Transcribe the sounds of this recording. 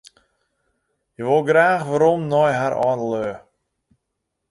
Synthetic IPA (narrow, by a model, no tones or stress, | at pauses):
jəʋolˠɡraːχʋaɾɔmnɔjɦaɾʔɔ̰nəlø